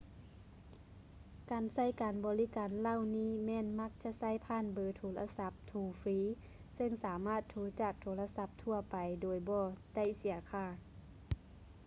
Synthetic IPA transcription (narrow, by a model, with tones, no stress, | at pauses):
kaː˨˩nsa˧˥˨jkaː˨nbɔː˨˦li˦˧˥kaː˨nla˧˥˨wniː˧˥˩mɛː˧˥˨nma˧˥k̚t͡ɕa˧ʔsa˧˥˨jpʰaː˧˥˨nbɤː˨˩t̪ʰoː˨˩˦lʔa̰˧sa˧˥p̚t̪ʰuː˨˧˩fɾiː˧˥ | sɤ˧ŋsaː˨˦maː˥˩t̪ʰːuː˧˥t͡ɕaː˨˩k̚t̪ʰoː˨˦la˧sa˧˥p̚t̪ʰu˧ɐpa˨jdoː˨˩jbɔː˧˩da˧˩˨jsi˨˩˦ɐkʰaː˧˩